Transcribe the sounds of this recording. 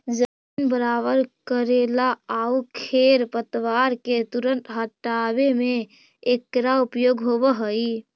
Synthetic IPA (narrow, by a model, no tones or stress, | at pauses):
d͡ʒə | inbəɾaβəɾkəɾelaaukʰeɾpət̪ʋaɾket̪uɾənʈɦəʈːabemeː | kɾaupjoɡɦobəɦəj